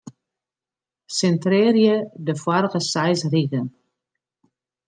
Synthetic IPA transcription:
sɛntrɪːrjədəfwarəɣəsɛjsriɣən

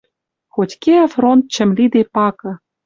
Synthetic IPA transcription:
xotʲkeɑfront̪̚t͡ɕɘ̆mlʲid̪epɑkɤ̆

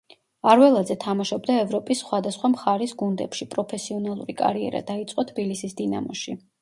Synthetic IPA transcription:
aɾwɛlˠazɛt̪ʰamaʃɔb̚d̪aɛvɾɔpʼisːχwad̪asχwamχaɾisɡund̪ɛpʃipʼɾɔpʰɛsiɔnalˠṵɾikʼa̰ɾiɛ̰ɾa̰d̪ait̪sʼqʼɔt̪ʰbilisisd̪ina̰mɔʃi

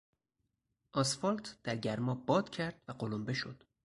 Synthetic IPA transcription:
ʔɒsfɒlt̪ʰd̪̥æɾɟæɾmɒːbɒːd̪̥cʰæɾd̪̥væɢolombeʃo̞d̪̥

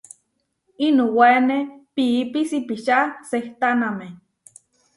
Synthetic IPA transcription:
inuwenepiipisipiʃaseht̪aname

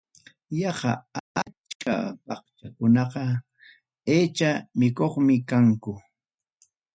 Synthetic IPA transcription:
jɑɢɑ̰at͡ʃkʰa̰pɑχt͡ʃakʊnɑqɑ | eːt͡ʃamɪkoχmɪkaŋkʊ

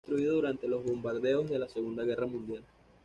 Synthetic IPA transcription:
t̪ɾuiðoðuɾant̪e̞lo̞zβo̞mbaɾðe̞o̞zðe̞lase̞ɣund̪aɣe̞ramũnd̪jal

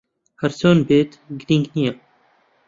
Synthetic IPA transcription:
hɐɾsoːnbeːt̪ɡɾiːŋɡnijɛ

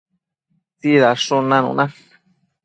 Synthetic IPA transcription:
tiðaʂonãnṵ̃nã

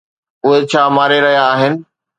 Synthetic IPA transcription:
ʊɦet͡ɕʰaːmaːɾeɾɐɦijaːɦɪnɪ̆

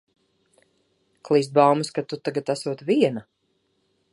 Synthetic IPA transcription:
klˠiːs̬t̪̚bawmɨskat̪ut̪aɡat̪æsuɔt̪viɛna

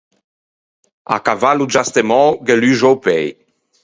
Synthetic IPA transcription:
a̰kavalud͡ʒast̪emɑ̃ɡɛlyʒowpɛj

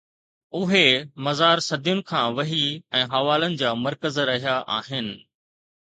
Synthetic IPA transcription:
ʊɦemɐzaːɾsɐd̪ʱjʊnɪ̆kʰãːʋɐɦiɛ̃ːɦɐʋaːlənɪ̆d͡ʑaːmɐɾkəzɾɐɦijaʔa̰ːɦɪnɪ̆

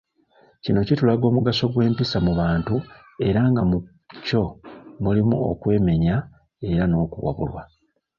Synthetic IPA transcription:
cino̞citulaɡo̞ːmuɡaso̞ɡwe̞ːmpisamuβaːntu | e̞ɾaŋɡamu | co̞mulimṵo̞̰kwe̞ːme̞ɲa | e̞ɾano̞ːkuwa̰βṵlwa

